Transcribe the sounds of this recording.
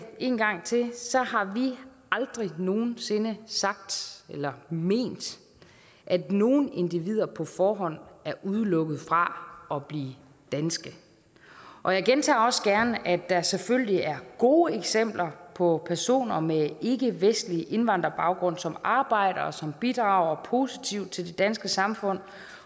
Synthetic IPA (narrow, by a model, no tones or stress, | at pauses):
e̝̰ːnɡ̥ɑ̈ŋ̰t͡sʰe̝sɒ̽ɦɑ̈ʋiʔɑ̈ld̥ʁino̝ːn̩se̝nəsɑ̈ɡ̥̚d̥elɐme̝̰ːnd̥ | ʔædno̝ːn̩e̝nd̥iʋið̞̰ˠɐpʰɒ̽fɒːɦɒ̽n̰æɐʔuð̞ˠlɔ̽ɡ̥ð̞̩ˠfʁɑ̈ɒ̽b̥liː | d̥ænsɡ̥ə | ʔɒ̽jäɪɡ̥ent͡sʰɑ̰̈ːɒ̽sɡ̥æɐnəʔæd̥ɑseføl̰liæɐɡ̥o̝ːeɡ̥sem̰b̥lɐpʰɒ̽pʰæɐso̝̰ːnɐmee̝ɡ̥əʋesd̥liʔe̝nʋɑ̈n̰d̥ʁɐb̥ɑ̈ʊɡ̥ʁɔ̽n̰sɒ̽mɑ̈ːb̥ɑ̈ɪ̰ɾ̥ɐɒsɒ̽mb̥id̥ʁɑ̈ʊ̰ɐpʰo̝sit͡sʰiʊd̚t͡sʰe̝ld̥e̝d̥ænsɡ̥əsɑ̈mfɔ̽n̰